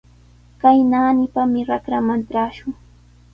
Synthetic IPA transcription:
kajnaːnɪpamɪɾakɾamanʈ͡ʂaːʃʊŋ

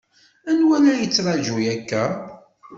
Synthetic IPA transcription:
ænwælæjət͡sːɾˤɑʒujækːæ

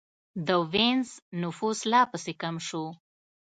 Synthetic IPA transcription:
d̪əwenznʊfuslɑpəsekamʃo

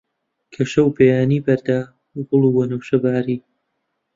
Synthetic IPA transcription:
kʰɐʃɐwpʰeːjaːniːbɐɾd̪aː | bʊlˠuwɐnɐwʃɐbaːɾiː

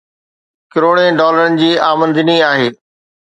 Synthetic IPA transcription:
kɪɾoːɽ̃ẽɖɔːləɾənɪ̆d͡ʑiːaːmə̃nd̪ɪniaːɦeː

